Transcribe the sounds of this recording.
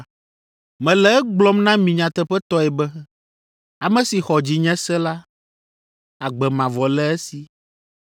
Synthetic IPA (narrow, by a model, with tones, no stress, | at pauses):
mɛ̃˨lɛ˨ɛ˦ɡ͡blɔ˦mnã˦mĩ˨ɲã˨t̪ɛ˦ɸɛ˦t̪ɔ˦ɛ˨bɛ˦ | a˨mɛ̃˦si˨xɔ˨d͡ʑi˨ɲɛ̃˦sɛ˦la˦ | a˨ɡ͡bɛ˨mã˨vɔ˨lɛ˦ɛ˦si˨